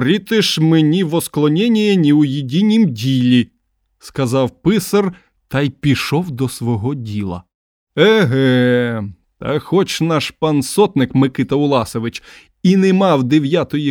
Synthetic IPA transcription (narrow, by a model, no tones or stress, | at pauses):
ɾʲit̪ɪʃmenʲiʋɔsklˠɔnʲɛnʲijɐnʲiʊjɪdʲinʲimdʲilʲi | skɐzɑwpɪsɐr | t̪ɑjpʲiʃɔwd̪ɔsʋɔɦɔdʲilˠɐ̰ | ɛɦɛ | t̪ɐ̰xɔt͡ʃnɑʃpɐnsɔt̪nɪkmɪkɪt̪ɐʊlˠɑsɔʋɪt͡ʃ | inɛmɑwd̪eʋʲjat̪ɔji